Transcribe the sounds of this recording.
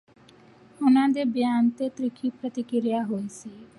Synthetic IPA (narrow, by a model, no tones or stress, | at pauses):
ʊnãd̪ebjaːnt̪et̪ɾɪkʰipɾət̪ɪkɾjaɦoese